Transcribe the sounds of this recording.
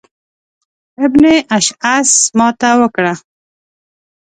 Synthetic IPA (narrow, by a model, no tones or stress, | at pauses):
ɪbneʔaʃasmɑt̪awəkɽa